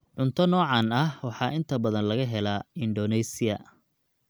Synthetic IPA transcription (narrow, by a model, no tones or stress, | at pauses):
ʕʊnt̪ʰɐnɔːʕɑːnɐhwɑħɑːʔɪnt̪ʰɐbɐðɐnlɐɣɐɦɛlaːɪnɖɔnɛsɪɐ̰